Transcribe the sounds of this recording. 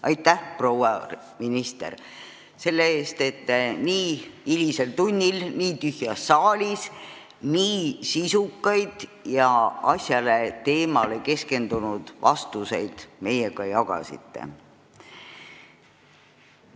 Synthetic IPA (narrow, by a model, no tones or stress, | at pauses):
ɑjt̪ːˑæhprowɑ | minist̪e̞̰r | se̞lːeeːst̪e̞t̪ːniːilʲise̞lt̪unʲːilniːt̪yhjɑsːɑːlʲis | niːsisukːɑjd̪̥jɑɑsʲjɑle̞t̪e̞ːmɑle̞ke̞ske̞nd̪̥unud̪̥vɑ̰st̪use̞jd̪̥me̞jeɡɑjɑɡ̥ɑ̰sḭt̪ːe̞̰